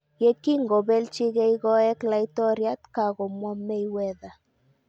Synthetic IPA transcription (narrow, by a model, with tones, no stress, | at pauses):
je˦ki˦ŋɡɔ˨bɛ˦lt͡ʃɪ˦ɣe˦iɡɔ˦ɛ˦kla˨i˦tɔ˦ɾja˦t̪ka˨ɣɔ˨mwa˦me˦iwɛ˦ða˨